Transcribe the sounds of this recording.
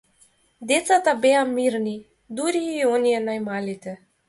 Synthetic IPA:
d̪ɛt̪sat̪abɛamiɾni | d̪uɾiːɔniɛnajmalit̪ɛ

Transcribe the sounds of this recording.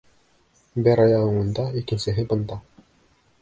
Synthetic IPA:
bæɾɑjɑʁɤ̆ŋŭnd̪ɑikɘ̆nʲsɘ̆ɦɘbɤ̆nd̪ɑ

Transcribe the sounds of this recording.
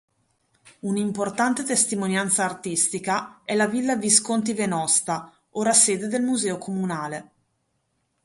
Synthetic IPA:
unimport̪ant̪et̪est̪imonjant̪saːrt̪ist̪ikaɛlavilːaviskont̪̬ivenɔst̪a | oːɾaseːd̪ed̪elmuzɛːokʰomunaːle

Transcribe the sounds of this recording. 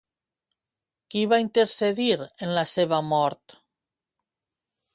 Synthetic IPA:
kiβaint̪eɾseðiɾenlaseβ̞amɔɾt̪

